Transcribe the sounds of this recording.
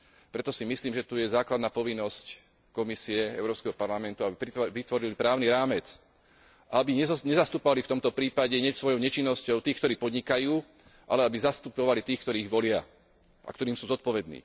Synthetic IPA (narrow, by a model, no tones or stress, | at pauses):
pɾɛt̪ɔsimisliːmʒɛt̪ujɛzaːklad̪naːpɔʋinːɔsc | kɔmisiɛɛ̰ʊɾɔːpskɛɦɔpaɾlamɛnt̪uabipʋit̪ʋɔɾilipɾaːʊniɾaːmɛt͡s | ʔabiɲɛɲɛzast̪upɔʋalift̪ɔmt̪ɔpɾiːpaɟɛɲɛcsʋɔjɔʊɲɛt͡ʃinːɔscɔʊt̪iːkt̪ɔɾiːpɔd̪ɲikajuː | ʔa̰lɛabizast̪upɔʋalit̪iːxkt̪ɔɾiːɣʋɔlɪa | ʔa̰kt̪ɔɾiːmsuːzɔt̪̚pɔʋɛd̪nḭː